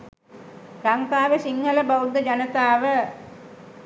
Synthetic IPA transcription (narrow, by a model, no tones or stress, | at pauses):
ɾaŋkaːʋəsiŋhələbəwd̪əd͡ʒanət̪aːʋə